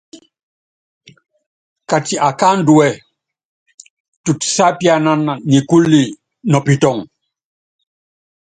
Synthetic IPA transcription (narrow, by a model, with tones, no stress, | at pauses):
ka˨ti˨ʔa˨ka˦nduɛ˨ | tu˨tsa˦pjana˦na˨ni˨ku˦lːi˨ | nɔ˨pitɔ˨ŋ